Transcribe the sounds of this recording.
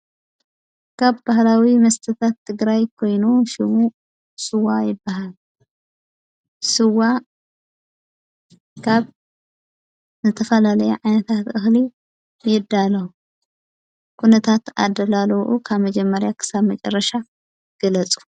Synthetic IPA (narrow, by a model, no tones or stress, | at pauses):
kʰaβbahlawimɐst̪ʰɨt̪ʰat̪ʰːɨɡɾajkʰo̞jnuʃɪmu | sɨwajɪbːaɦal | sɨwa | kʰaβ | zɨt̪ʰɐfɐlalɐjuʕajnɐt̪ʰat̪ʔɨxli | jɪd̪ːalɐwu | kʰunɐt̪ʰat̪a̰d̪ɐlalɐwʔukʰaβmɐd͡ʒɛmːɐɾjakʰɨ̥saβmɐt͡ʃʼɐ̰rːɐʃa | ɡ̥ɐlɐt͡sʼu̥